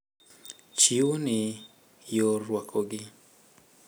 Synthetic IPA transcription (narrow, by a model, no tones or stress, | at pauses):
t͡ʃiwonɪ | jorwakʰoɡɪ